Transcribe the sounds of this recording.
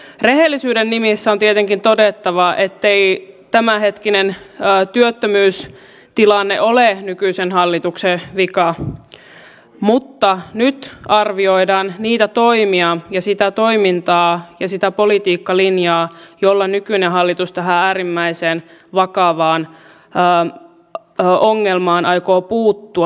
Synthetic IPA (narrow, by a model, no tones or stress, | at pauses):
reɦelːisyːdenːimisːæo̞nt̪iet̪eŋkint̪o̞det̪ːɑʋɑʔet̪ːeit̪æmæhe̞t̪kinenːt̪yøt̪ːømyːs | t̪ilɑnːeʔolenykyisenhɑlːit̪ukseʋikɑ | mut̪ːɑnyt̪ɑrʋio̞idɑːnniːt̪æt̪o̞imiɑjɑsit̪æt̪oimint̪ɑːjɑsit̪æpolit̪iːkːɑlinjɑːjolːɑnykyneɦɑlːit̪ust̪æɦææːɾimːæiseːnʋɑkɑʋɑːn | əː | oŋːelmɑːnʔɑjkoːpuːt̪ːuɑ